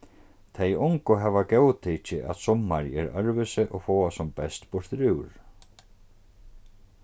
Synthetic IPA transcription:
t̪ʰejʊŋkʊɦɛvakœːwt̪ʰecɪʔa̰ðsɔmːaɾɛɾœɾvʏsɪʔɔɣfɔːasɔmpɛst̪pʊɾ̥t̪ɾʏwɾ̥

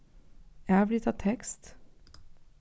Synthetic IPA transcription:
æːʋlɪt̪ʰɑːt̪ʰɛkst̪

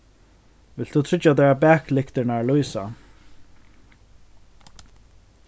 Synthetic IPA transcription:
vɪlt̪ʰːut̪ʰɾɪt͡ʃːad̪ɛːɹabɛːklɪkt̪ɪɾnaɹlujsa

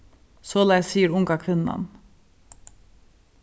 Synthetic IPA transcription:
sɔːlæɪsiːəɾʊŋkakʰʋɪnːa̰n

